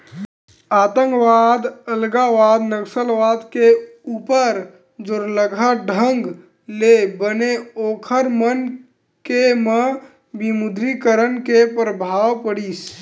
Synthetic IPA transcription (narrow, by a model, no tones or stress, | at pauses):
aːt̪ə̃ŋkʋaːd̪əlɡaʋaːd̪nəkʃəlʋaːd̪keuːpəɾ | d͡ʒʊɾləɡʱaɖʱəŋɡ | lebəneoːkʰəɾmən | kemə̃ | bimʊd̪ɾikəɾənkepɾəbʱaːwpəɽiːs